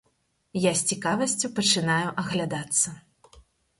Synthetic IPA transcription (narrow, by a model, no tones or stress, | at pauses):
jasʲt͡sʲikavɐsʲt͡sʲupɐt͡ʂɨnajuʔɐɣlʲad̪at̪sːɐ